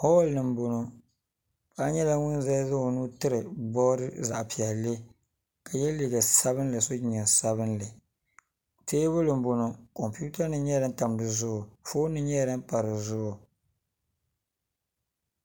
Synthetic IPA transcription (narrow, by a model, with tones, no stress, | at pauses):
hɔ˦lnɨ˨m˦bo˨no˨ | pa˦ɲɛ˦la˨ŋʊ˦n˦zɛ˦zʊ˦o˨nu˦tɨ˦ɾɨ˨bɔ˦ɾɨ˦za̰˨ʔpi˨ɛ˨llːe˦ | ka˨jɛ˦li˨ɡa˨sa˦βɨ˦n˦lɨ˨so˦ɲa˨sa˦βɨ˦nlɨ˨ | teː˦bʊ˦lɨ˨m˦bo˨no˨˦kɔ˨mpu˦ta˦nɨ˦ɲɛ˦ɾɨ˦n̩˦ta˨m˨dɨ˨zʊ˦ʔʊ˨fo˦nɨ˦ɲɛ˦˨ɾɨ˦m˦pa˨ɾɨ˨zʊ˦ʔʊ˨